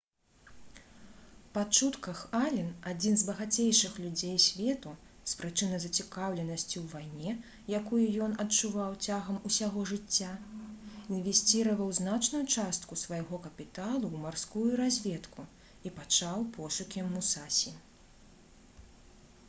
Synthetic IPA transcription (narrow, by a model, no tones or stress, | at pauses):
pat͡ʂut̪kɐxalʲinad͡zʲinzbɐɣat͡sʲejʂɨxlʲud͡zʲejsʲvʲɛt̪u | spɾɨt͡ʂɨnɐzɐt͡sʲikawlʲɛnɐsʲt͡sʲiwvajnʲɛ | jakujujɔnɐtt͡ʂuvawt͡sʲaɣɐmusʲaɣɔʐɨt͡sʲːa | invʲɛsʲt͡sʲiɾɐvɐwznat͡ʂnujut͡ʂast̪kusvajɣɔkɐpʲit̪alˠuwmarskujuɾazʲvʲɛt̪ku | ipat͡ʂawpʰɔʂukʲimːusasʲi